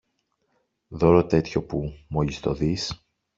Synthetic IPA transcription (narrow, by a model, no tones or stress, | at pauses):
ðo̞ɾo̞t̪e̞t̪ço̞pumoʎist̪o̞ðis